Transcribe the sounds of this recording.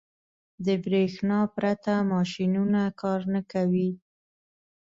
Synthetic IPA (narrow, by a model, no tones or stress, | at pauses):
d̪əbɾexnɑpɾat̪amɑʃinunakɑɾnakawi